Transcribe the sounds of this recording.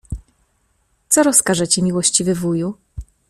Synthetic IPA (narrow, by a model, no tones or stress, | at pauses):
t̪sɔɾɔskaʐɛt͡ɕɛmʲiwɔɕt͡ɕivɘvuju